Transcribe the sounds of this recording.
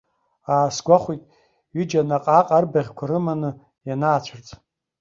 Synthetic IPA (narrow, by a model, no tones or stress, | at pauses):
aːsɡʷaχʷijtʼ | ɥid͡ʒanaqʼaqʼarbaʁʲkʷʰaɾɨmanɨ | janaːt͡ɕʷʰart͡sʼ